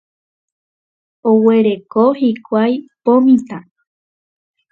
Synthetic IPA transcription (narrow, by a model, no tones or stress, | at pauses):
owe̞ɾe̞kohikʷajpõmĩt̪ã